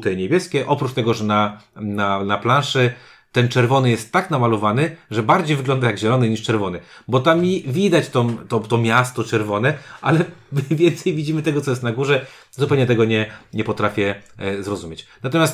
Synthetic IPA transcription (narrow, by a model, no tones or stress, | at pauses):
t̪ɛɲebʲjɛskʲɛʔɔpɾut͡ʂt̪ɛɡɔʐɛnananaplãʂɛ | t̪ɛnt͡ʂɛɾvɔnɘjɛst̪ːaknamalɔvanɘʐɛbaɾd͡ʑejvɘɡlɔnd̪ajaɡʑɛlɔnɘɲiʂt͡ʂɛɾvɔnɘbɔt̪amʲivʲid̪at͡ɕt̪ɔmt̪ɔt̪ɔmʲjast̪ɔt͡ʂɛɾvɔnɛʔa̰lɛmvʲjɛnt̪sɛjvʲid͡ʑimɘt̪ɛɡɔt̪sɔjɛst̪naɡuʐɛ | zupɛwɲɛt̪ɛɡɔɲɛɲɛpɔt̪ɾafʲjɛzɾɔzumʲjet͡ɕnat̪ɔmʲjast̪